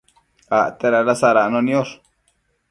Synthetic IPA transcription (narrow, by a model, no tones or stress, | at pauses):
at̪eɾaɾasaɾanõnĩoʂ